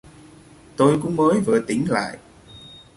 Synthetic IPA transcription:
t̪o˧jkʊ̰˧˥ŋ͡mməː˨˦jvɨ̰˧˩ət̪i˧˦ŋla̰ː˧˨jʔ

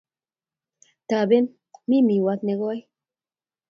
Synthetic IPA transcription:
t̪a˨be˦n | mi˦mi˨wa˧t̪ne˧ɣo˦a˦j

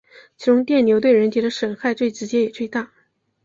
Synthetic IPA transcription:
t͡ɕʰi˧˥ʈ͡ʂʊ˧˥ŋt̪̬jɛ˥˩nnjo˧˥ʊt̪we˥˩ɪɻə˧˥nt̪ʰi˧˥d̪ə˧ʂə˨˩nxa˥˧ɪt͡swe˥˩ɪʈ͡ʂɻ̩˧˥t͡ɕjɛ˧˥jɛ˨˩t͡swe˥˧ɪt̪a˥˩

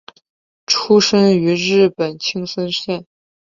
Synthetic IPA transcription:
ʈ͡ʂʰu˥ʂə˥ŋy˧˥ɻɻ̩˥˩pə˨˩nt͡ɕʰi˥ŋsə˥nɕjɛ˥˩n

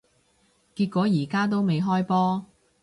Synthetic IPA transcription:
kiː˧t̚kʷɔː˨˥jiː˨˩kaː˥t̪̬o˥wme˨˧jɦɔː˥jpɔː˥

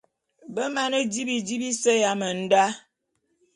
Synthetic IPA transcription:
bə˦ma˨˦nə˦d͡ʒi˦bi˨d͡ʒi˦bi˦sə˦ja˨˦mə˨n̩˦da˦

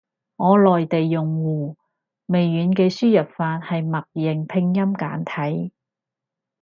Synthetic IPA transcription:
ŋɔː˨˧lɔː˨jt̪e˨jːʊ˨˩ŋwuː˨˩ | me˨jːyː˨˧nkɛː˧syː˥jɐ˨p̚faː˧t̚hɐ˨jmɐ˨k̚jɪ˨˩ŋpʰɪ˧ŋjɐ˥mkaː˨˥nt̪ʰɐ˨˥j

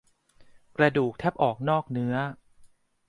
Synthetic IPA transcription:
kɾa˧duː˨˩k̚t̪ʰɛ˦˥p̚ʔɔː˨˩k̚nɔː˥˩k̚nɯ˦˥ɐ

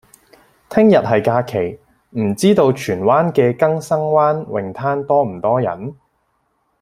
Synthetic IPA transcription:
t̪ʰɪ˥ŋjɐ˨t̚ɦɐ˨jkaː˧kʰe˨˩j | m̩˨˩t͡siː˥t̪o˧wt͡ʃʰyː˨˩nwaː˥nkɛː˧kɐ˥ŋsɐ˥ŋwaː˥nwɪ̰˨ŋt̪ʰaː˥nt̪ɔː˥m̩˨˩t̪ɔː˥jɐ̰˨˥n

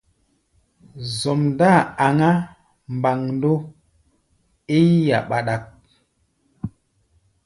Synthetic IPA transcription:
zɔ˨mda˦˨a˨ŋa˦ | mba˨ŋndo˦ | e˦ja̰˨ɓa˨ɗa˨k̚

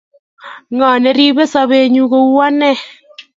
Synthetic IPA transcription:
ŋɔ˨ne˨˦ɾi˦βe˦sɔ˦βe˦ɲu˦ɣo˦wa˦nɛ˦˨

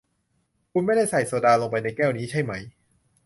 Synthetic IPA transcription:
kʰu˧nma˥˩jda˥˩jsa˨˩jsoː˨˩daː˧lo˧ŋp̬a˧jna˧jkɛː˥˩wniː˦˥t͡ɕʰa˥˩jma˦˥j

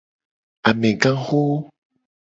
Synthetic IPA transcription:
a˨mɛ˨ɡã˦xo˦

